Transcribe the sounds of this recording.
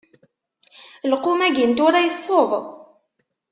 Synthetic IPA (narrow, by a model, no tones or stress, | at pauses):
lqumæɡint̪ʊɾæjəsˤːoðˤ